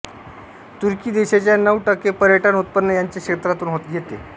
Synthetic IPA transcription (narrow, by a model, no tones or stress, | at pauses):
t̪uɾkiːd̪eɕet͡ɕjanəʋʈəkepəɾjəʈʰənut̪̚pənːəjaɲt͡ɕjakɕet̪ɾat̪uːnɦot̪ɡʱet̪ḛ